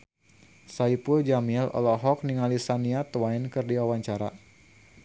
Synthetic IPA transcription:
saipuld͡ʒamiɛlɔ̰lɔɦɔk̚niŋalisaniat̪wajnkɨrdiawaɲt͡ʃaɾa̰

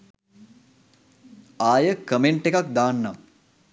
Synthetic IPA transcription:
aːjəkəmeɳʈekak̚d̪aːnːam

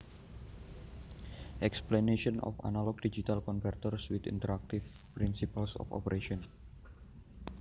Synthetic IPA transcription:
ʔɛksplaneʃɔnʔɔ̰fa̰nalɔk̚did͡ʒit̪alkɔnvɛrt̪ɔrswit̪ḭnt̪əɾak̚t̪if | pɾinsipalsɔ̰fɔ̰pəɾeʃɔn

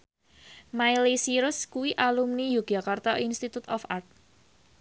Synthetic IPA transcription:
majlisiɾʊskuwiʔalumnijuɡ̥akart̪ɔʔinst̪it̪ut̪ɔfart̪̚

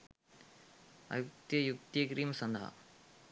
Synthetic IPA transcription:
ɐ̰juk̚t̪jɐjuk̚t̪jkɾiːmɐsɐnd̪ʱɐɦɐ̰

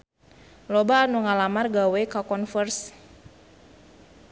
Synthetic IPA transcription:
lɔbaːnuŋalamarɡawɛkakɔnfərs

